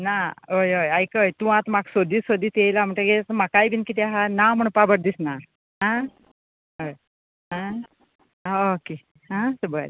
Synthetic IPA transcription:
naɦojojajkəjt̪ũãt̪maksod̪iːsod̪iːt̪ejlam̤əɳʈəɡesmakajbinkit̪iaɦanam̤əɳpabəɾd̪isna | ɦã | ɦoj | ɦã | oke | ɦãsəbəl

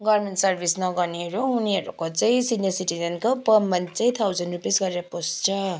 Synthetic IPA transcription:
ɡʌmenʈsʌrbʱisnʌɡʌniʌɾuuniɦʌɾukot͡saĩsinjʌsiʈid͡zʌnkopʌmːʌnt͡saj̃t̪ʰawzʌnɖrupesɡʌɾeɾʌpost͡sʰʌ

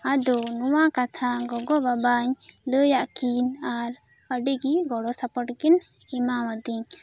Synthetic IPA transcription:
ad̪ɔnuwakat̪ʰaɡɔɡɔbabaɲləjaʔkinaɾ | əɖiɡiɡɔɽɔsapɔʈkin | ɛmawad̪iɲ

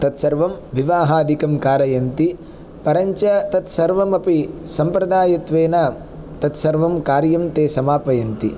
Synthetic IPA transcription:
t̪ɐt̪sɐɾʋɐmʋiʋaːɦaːd̪ʱikɐmkaːɾɐjɐnt̪i | pɐɾɐɲt͡ʃɐt̪ɐt̪sɐɾʋɐmɐpisɐmpɾɐd̪aːjɐt̪ʋeːna | t̪ɐt̪sɐɾʋɐmkaːɾjɐmt̪eːsɐmaːpɐjɐnt̪i

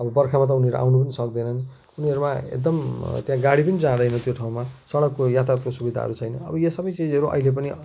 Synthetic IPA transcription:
ʌbʌbʌrkʰamat̪̬ʌuniʌɾuʔa̰wnup̬ʌnisʌkd̪ʌjnʌni | uniʌɾumaḛk̚d̪ʌmt̪jãɡaɽipʌnid͡zãd̪ʌjnʌt̪joʈʰaw̃masʌɽʌkːojat̪art̪kosubid̪ʱa̰ɦʌ̰ɾut͡sʰʌjnʌʌ̰bʌjʌsʌbʌjt͡sid͡zʌɾuʔʌ̰ɦilep̬ʌni

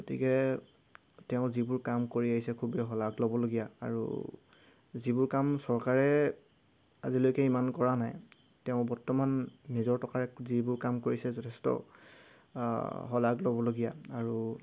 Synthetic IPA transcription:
ɡotḭkɛ | tɛʊ̃zibʊɹkamkoɹiaɦisɛkʰubɛɦɔlaɡlɔbɔloɡijaa̰ɹṵ | zibʊɹkamsɔɹkaɹɛ | a̰zilojkɛimankɔɹanaj | tɛʊ̃bɔɹtɔmanːizɔɹtʰɔkaɹɛzibʊɹkamkoɹisɛzɔtʰɛstɔ̰ | ɦɔlaɡlɔbɔloɡija̰aɹu

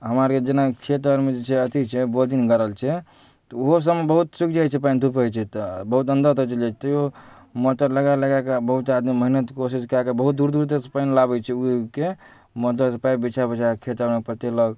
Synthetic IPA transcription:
ɦəmaɾked͡ʒenakʰet̪əɾmed͡ʒet͡ʃʰɛət̪ʰit͡ʃʰɛbod̪inɡəɾəlt͡ʃʰɛ | t̪ɔoɦos̬əmebəɦut̪sik̚d͡ʒajt͡ʃʰɛpaint̪upəjt͡ʃʰɛt̪bəɦut̪ə̃nd̪ət̪ət͡ʃəlat͡ʃʰɛ̥t̪ɔo | moʈ̪əɾləɡaləɡakabəɦut̪ad̪miməɦinət̪kosiskɾakabəɦut̪̚d̪uɾd̪uɾt̪espainlabɛt͡ʃʰɛuke | mət̪ləsəpaibit͡ʃʰabət͡ʃʰakʰet̪əɾmekpɾət̪eləɡ

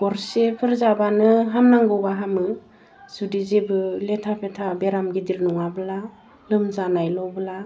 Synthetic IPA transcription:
ɡ̥ɔɾsepʰɯɾzabanɯɦamnaŋɡɯwbaɦamɯ | sudizebɯletʰapʰetʰabeɾamɡidiɾnɔŋabɯla | lɯmzanajlɔbəla

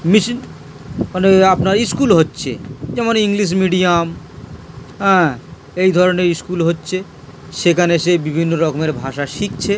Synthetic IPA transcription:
miʃin | maneapnaɾiskulɦotːɕʰḛd͡ʑɛmoniŋliʃ̬miɖiam | ɦɛ̃ | ejd̪ʱɔɾoneɾiskulɦotːɕʰe | ʃekʰaneʃebibʱinːoɾɔkomeɾbʱaʃaʃik̚t͡ɕʰe

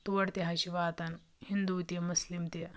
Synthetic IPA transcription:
t̪uʋɐɽt̪iɦɐɕiʋaːt̪ɐn | hind̪uːt̪imuslimt̪i

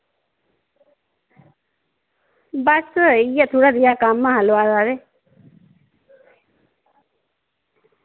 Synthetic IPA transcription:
basəijat̪ʰuɽad̪ijakamːaɦaloaɾaɾe

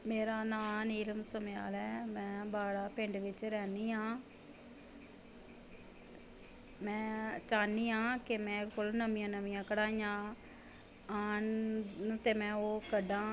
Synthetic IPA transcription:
meːɾaːnaːniːləmsəmja̰ːlɛːmɛ̃ːbaːɽaːpɪɳɖʋɪt͡ʃɾɛːniːɦãː | mɛ̃ːt͡ʃaːniːɦãːkɪmɛ̃ːkolnəmijãːnəmĩjãːkəɽaːiːjãː | aːn | t̪eːmɛ̃ːoːkəɖãː

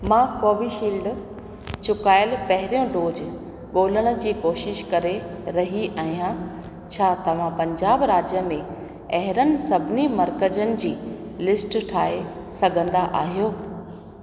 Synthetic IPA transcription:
mãːkoːbiʃiːlɖ | t͡ɕʊkaːɪlpɐɦɪɾijõɖoːd͡ʑ | ɠoːləɽ̃ə̆d͡ʑiːkoːʃɪʃkɐɾeɾɐɦiʔaːɦijã | t͡ɕʰaːt̪ɐʋ̤ãpɐ̃ɲd͡ʑaːbɾaːd͡ʑjəmẽ | ɐɦɪɾənɪ̆sɐbʱɪnimɐɾkəd͡ʑənɪ̆d͡ʑiː | lɪsʈʈʰaːe | sɐɡʱə̃nd̪aʔa̰ːɦijoː

